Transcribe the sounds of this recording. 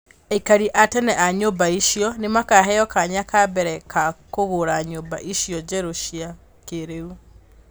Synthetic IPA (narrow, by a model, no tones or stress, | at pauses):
ɛikaɾiʔatɛnɛʔaɲobaiʃiɔnemakaɦɛjɔkaɲakabɛɾɛkakoɣoɾaɲoːba̰ʔiʃjɔd͡ʒɛɾoʃia | keɾeu